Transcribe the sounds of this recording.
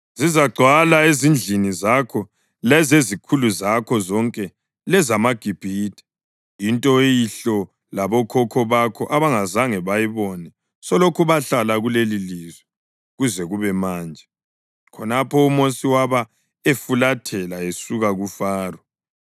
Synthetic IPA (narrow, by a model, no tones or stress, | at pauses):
zizaɡ͡ǀʱwalaezind͡ɮʱinizakʰɔ | lɛzezikʰuluzakʰɔzɔŋkʼɛ | lɛzamaɡ̥ʱib̥ʱiːd̥ʱɛ̥ | intʼɔjiɬɔ | laβɔkʰɔkʰɔβakʰɔʔaβaŋazaŋɛβajiβɔnɛ | sɔlokʰuβaɬalaɣulelilizwɛ | ɣuzɛɣuβɛmaːnd͡ʒʱɛ | kʰɔnapʰɔumosiwaβa | efulatʰɛlaesuɣaɣufaːrɔ